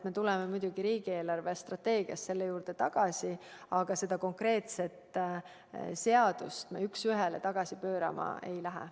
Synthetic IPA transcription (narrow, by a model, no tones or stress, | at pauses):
t̪me̞t̪ulɛmemujd̪̥uɡ̥iɾiːɡ̥ieːlɑrvest̪rɑt̪ːe̞ːɡ̥iɑ̰st̪se̞lːejuːɾd̪̥e̞t̪ɑɡ̥ɑsʲiɑɡ̥ɑse̞d̪̥ɑko̞ŋkre̞ːt̪se̞t̪ˑ | se̞ɑd̪̥ust̪meyksyɦɛlḛt̪ɑɡ̥ɑsipøːɾɑ̰mɑ̰ejlæɦɛ̰